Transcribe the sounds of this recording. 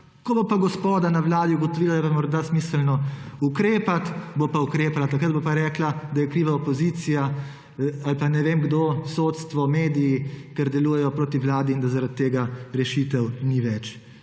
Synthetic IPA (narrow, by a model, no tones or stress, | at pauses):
kɔbopaɡɔspoːd̪anaʋlaːd̪iuɡɔt̪ɔʋilad̪ajɛpamɔɾd̪asmiːsəlnɔukɾeːpat̪bopaukɾeːpalat̪ɐkɾət̪̚bopaɾɛːklad̪ajɛkɾiːʋaɔpɔziːt̪sija | alpanɛʋeːmɡd̪osot̪st̪ʋɔmeːd̪ijikɛɾd̪ɛluːjɛjɔpɾoːt̪iʋlaːd̪iːnd̪azaɾat̪ːeːɡaɾɛʃit̪ɛwniʋɛt͡ʃ